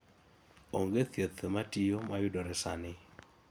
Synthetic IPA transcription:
oŋɡeθjet̪ʰəmatijomajʊdɔɾɛsanɪ

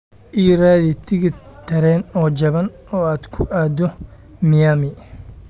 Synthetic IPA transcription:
ʔiːɾaːðɪt̪ʰɪɣɪt̪ʰɐɾɛːnɔːd͡ʒɐβɐn | ɔːaːd̪kʰʊʔaːd̪ɔ | mɪjaːmɪ

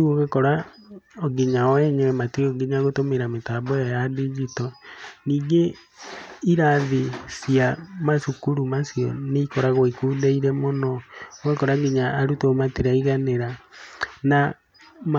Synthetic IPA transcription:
oɣekɔɾaɔɡiɲaɔɛɲɛmatioɡeɲaɣotomeɾametaːbɔjajadid͡ʒitɔniːɡe | iɾaðisiamasukuɾumasjɔ̰neikɔɾaɣoikuːdeiɾɛmonɔoɣekɔɾaɡeɲaːɾutomateɾaiɣaneɾa | na | m

